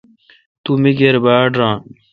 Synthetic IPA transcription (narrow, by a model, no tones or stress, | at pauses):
t̪umiɡeɾbaːɖɾãː